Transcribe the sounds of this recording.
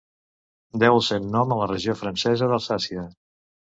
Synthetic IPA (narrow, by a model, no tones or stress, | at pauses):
d̪ɛwəlˠsɛwnɔmələrəʒiofɾənsɛzəðəlˠsasiə